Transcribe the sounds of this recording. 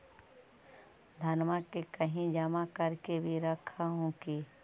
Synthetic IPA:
d̪ʱɐnmakekəɦĩd͡ʒəmakəɾkebʱiɾəkʰaɦõːki

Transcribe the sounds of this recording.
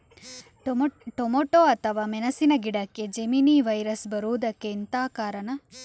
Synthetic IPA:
ʈomoʈoːɐt̪ʰɐʋaːmɛnɐsinɐɡiɽɐkːed͡ʒeminiːʋɐjɾɐsbɐɾuːd̪ɐkːeint̪aːkaːɾɐɳɐ

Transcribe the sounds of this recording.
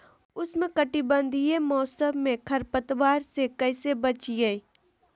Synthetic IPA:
ʊsmẽkɐʈibə̃nd̪ʱijemɔːsəbmẽkʰɐɾpət̪ʋaːɾsekɐɪsebɐt͡ʃiɡaiː

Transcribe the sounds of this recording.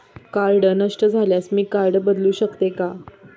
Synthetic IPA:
kaɾɖənəʂʈəd͡zʱaljasmiːkaɾɖəbəd̪luːɕəkt̪eka

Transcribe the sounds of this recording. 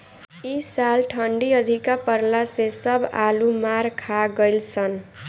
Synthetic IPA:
isalʈʰʌɳɖiʌd̪ʱikapʌɾlasesʌbʱalumaɾkʰaɡʌjlt͡sʰʌn

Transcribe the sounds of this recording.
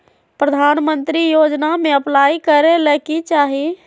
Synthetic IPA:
pɾəd̪ʱaːnmə̃nt̪ɾijoːd͡ʒnamẽəplaːikəɾeləkit͡ʃaːɦi

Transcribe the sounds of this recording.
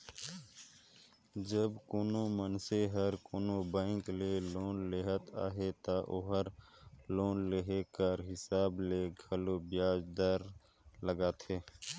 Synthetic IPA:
d͡ʒəbkoːnomənseɦəɾkoːnobə̃ːɪkleloːnleɦət̪a̰ːɦet̪aʔoɦəɾloːnleɦekəɾɦɪsaːbleɡʱəlobjaːd͡ʒd̪əɾ | ləɡaːt̪ʰeː

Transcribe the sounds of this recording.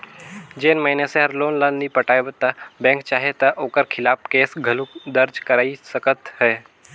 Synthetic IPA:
d͡ʒeːnmainesẽɦɐɾloːnlənːipəʈaːebət̪ːabɛ̃ːŋk̚t͡ʃaːɦet̪ɐʔoːkəɾkʰɪlaːpkeːsɡʱɐlukd̪əɾd͡ʒkəɾaːisɐkət̪hɛː

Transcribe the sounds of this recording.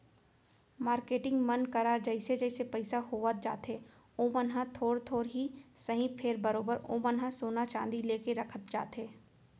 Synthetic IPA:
maːɾkeːʈɪ̃ŋɡmɐnkɐɾad͡ʒɛɪsed͡ʒɛɪsepɐɪsaɦoːʋət̪̚d͡ʒa̰ːt̪ɦe | oːmənɦãt̪ʰoːɽt̪ʰoːɾɦisɐɦĩpʰeːɾbɐɾoːbəɾo̰ːmənɦãsoːnat͡ʃãːnd̪ileːkeɾɐkʰət̪̚d͡ʒa̰ːt̪ɦeː

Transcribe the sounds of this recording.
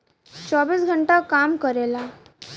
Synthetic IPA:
t͡ɕɔbiːsɡʱəɳʈakamkəɾela

